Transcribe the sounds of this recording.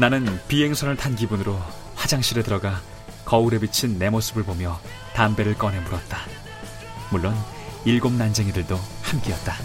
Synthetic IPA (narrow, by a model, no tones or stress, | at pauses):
nanɯnpiɦe̞ŋsʰʌnɯɭtʰanɡibunɯɾo | had͡ʑaŋɕʰiɾedɯɾʌɡa | kʌuɾe̞bit͡ɕʰinːe̞mosʰɯbɯɭbomjʌ | tambe̞ɾɯɭk͈ʌnɦe̞muɾʌt̚t͈a | muɭːon | iɭɡomnand͡ʑe̞ŋidɯɭdohamk͈eʌt̚t͈a